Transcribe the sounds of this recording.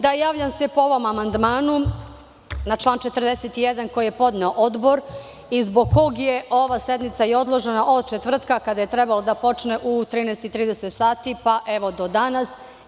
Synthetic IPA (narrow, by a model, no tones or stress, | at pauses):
d̪ajaːʋʎamse̞pooʋo̞mamand̪maːnu | nat͡ʃlˠaːnt͡ʃe̞t̪ər̩d̪eset̪ijed̪anko̞jijepo̞d̪neo̞ʔo̞d̪bo̞ɾ | izbo̞ɡkʰːo̞ɡjeʔo̞ʋase̞d̪nit̪saio̞d̪lˠo̞ʒenaʔo̞d̪t͡ʃet̪ʋr̩t̪kakad̪aje̞t̪ɾebalod̪apo̞t͡ʃne̞ʔut̪ɾiːnɛjst̪it̪ɾiːd̪eset̪saːt̪ipaʔeʋo̞d̪o̞d̪anas